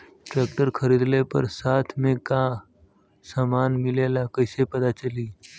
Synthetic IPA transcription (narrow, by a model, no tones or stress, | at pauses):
ʈɾeːk̚ʈəɾkʰəɾid̪lepə̰ɾsaːt̪ʰmẽka | saːmaːnmɪlelakəɪsepɐt̪at͡ʃəliː